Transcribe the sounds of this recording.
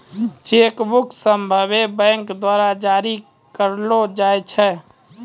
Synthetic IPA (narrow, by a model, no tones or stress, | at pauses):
t͡ʃekbuksəmbʱəβebə̃ŋkd̪waɾad͡ʒaɾi | kəɾlod͡ʒajt͡ʃʰɛ